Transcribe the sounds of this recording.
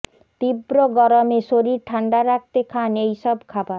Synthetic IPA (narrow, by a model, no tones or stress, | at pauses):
t̪ibɾoɡɔɾomeʃoɾiɾʈʰaɳɖaɾak̚ʰt̪ekʰanejʃɔbkʰaba